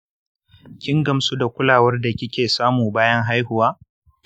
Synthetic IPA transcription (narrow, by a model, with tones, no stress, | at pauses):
kʲɪ˦ŋɡɐ˨msu˦da˨kʷʊ˦laː˨wɐ˦rda˨kʲɪ˦kʲeː˨saː˦muː˨baː˦jɐ˦ŋɦa˦jhʊ˨waː˦